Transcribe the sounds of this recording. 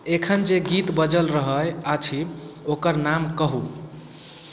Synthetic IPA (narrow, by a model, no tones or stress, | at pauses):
ekʰənd͡ʒeɡit̪bəd͡ʒəlɾəɦəjat͡ʃʰi | okəɾnamkəɦu